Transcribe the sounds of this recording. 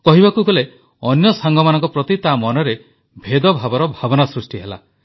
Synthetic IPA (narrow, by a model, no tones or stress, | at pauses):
kɔɦibakuɡɔle | ɔnjɔsaŋɡʱɔmanɔŋkɔpɾɔt̪it̪amɔnɔɾe | bʱed̪ɔbʱabɔɾɔbʱabɔnasɾusʈiɦela̰